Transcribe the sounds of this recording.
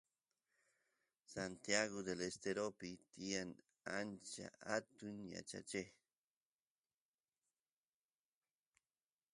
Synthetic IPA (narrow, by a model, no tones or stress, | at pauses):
sant̪jaɣod̪elest̪eɾopɪt̪ian | ant͡ʃa̰at̪ʊŋja̰t͡ʃa̰t͡ʃe